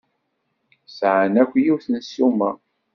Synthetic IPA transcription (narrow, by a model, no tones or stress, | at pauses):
sʕənækʷːjiwθənsumæ̰